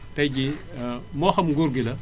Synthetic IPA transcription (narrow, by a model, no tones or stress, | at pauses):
tɐjɟi | mɔːxɐmɡuɾɡilɐ